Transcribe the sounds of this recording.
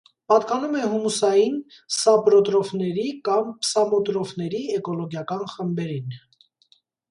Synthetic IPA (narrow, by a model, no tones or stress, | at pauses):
pɑt̪kɑnumɛɦumusɑjin | sɑpɾɔt̪ɾɔvnɛɾikɑmpʰsɑmɔt̪ɾɔfnɛɾiɛkɔlɔɡjɑkɑnχəmbɛɾin